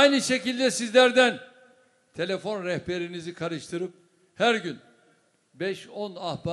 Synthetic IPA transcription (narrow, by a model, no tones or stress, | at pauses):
jnɯʃe̞cilʲd̪ɛsizlʲæɾd̪æn | t̪ʰe̞lʲefo̞nɾɛhpe̞ɾinizikʰaɾɯʃt̪ʰɯɾɯp̚ | hæɾɟyn | bɛʃo̞nahba